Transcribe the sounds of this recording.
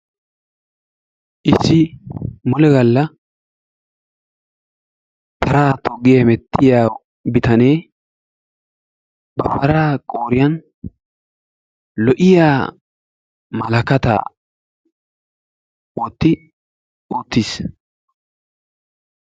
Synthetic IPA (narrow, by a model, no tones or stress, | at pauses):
ʔɪsːɪmɔlɛɡɐlːɐ | t̪ʰɐɾaːt̪ɔɡːɪjɐmɛt̪ːɪjaː | bɪt̪ɐneː | bɐpːɐɾaːkʼoːɾɪjɐn | lɔʔɪjaː | mɐlɐkɐt̪a̰ː | woːt̪ːɪ | oːt̪ːis